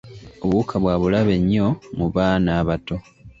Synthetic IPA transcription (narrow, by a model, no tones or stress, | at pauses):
o̞βuːkʰaβwaːβulaβe̞ɲːo̞muβaːnaːβato̞